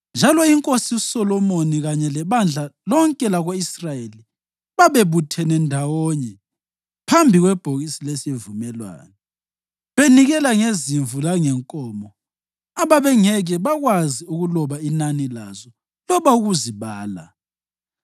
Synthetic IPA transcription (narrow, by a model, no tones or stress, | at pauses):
nd͡ʒʱalɔiŋkʼosiusɔlɔmoniɣaɲɛlɛβand͡ɮʱalɔŋkʼɛlaɣoisrajeli | βaβeβutʰɛnɛndʱawɔɲɛ | pʰambʱiɣwɛb̥ʱoɣisilesievumɛlwa̰ːnɛ | βeniɣɛlaŋeziɱvulaŋɛŋkʼɔːmɔ | aβaβɛŋɛɣɛβaɣwaziuɣulɔβainanilazɔ | lɔβauɣuziβaːla̰